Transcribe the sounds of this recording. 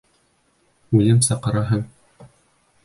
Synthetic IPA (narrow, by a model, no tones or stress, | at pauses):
ʉlɘmsɑqɤ̆ɾɑɦɤɴ